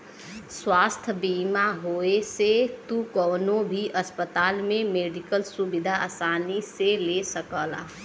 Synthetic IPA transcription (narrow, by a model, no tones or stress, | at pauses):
swaːst̪ʰbiːmaɦoːeset̪ukɔːnõbʱiʔəspət̪aːlmẽmeːɖɪkəlsubɪd̪ʱaaːsaːniselesəkəːla̰ː